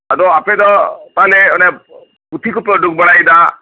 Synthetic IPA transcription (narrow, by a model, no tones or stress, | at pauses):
ad̪ɔaped̪ɔt̪aleɔne | ut̪ʰikupɾɔɖuk̚bɔɽajd̪a